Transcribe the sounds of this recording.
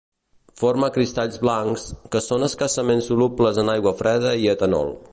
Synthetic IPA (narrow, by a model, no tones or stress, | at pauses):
foɾməkɾist̪aʎzβlaŋkskəsonəskəsəmensulupləzənajɣwəfɾɛð̞əiət̪ənɔ̰lˠ